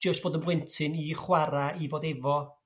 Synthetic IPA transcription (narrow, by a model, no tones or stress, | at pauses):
d͡ʒəst̚b̥oːdənblɛntʰɨniχwaɾaivoːdɛvɔ